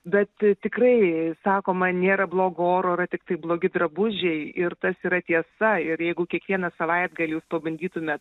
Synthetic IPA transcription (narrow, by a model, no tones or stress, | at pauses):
bʲɛt̪t̪ʲɪkrɐɪsɑːkoːmɐnʲeːɾɐblˠoːɡooːɾoːɪɾɐt̪ʲɪkt̪ɐɪblˠoːɡʲɪd̪ɾɐbʊʒʲɛɪɪrt̪ɐsiːɾɐt̪ʲiɛsɐɪɾjɛɪɡʊkʲiɛkʋʲiɛnɐsɐʋɐɪd̪̚ɡɐlʲjuːspɐbɐnʲd̪ʲiːt̪ʊmʲeːt̪